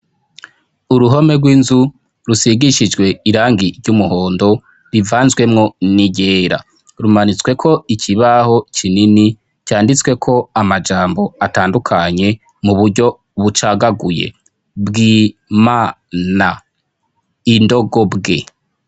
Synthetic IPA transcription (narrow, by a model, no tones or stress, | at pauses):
uɾuɦo̞me̞ɡwiːnzu | ɾusiɡiʃid͡ʒɡwe̞iɾaːŋɡiɾɟumuho̞ːndo̞ | ɾivaːnzɡwe̞mŋo̞niɟe̞ːɾa̰ | ɾumanit͡swe̞kʰo̞icʰiβaho̞t͡ʃʰinini | caːndit͡swe̞kʰo̞amad͡ʒaːmbo̞ataːndukʰaɲe̞ | muβuɾɟo̞ | βut͡ʃaːɡaɡuje̞̰ | bɡima | na | indo̞ɡo̞bɡe̞̰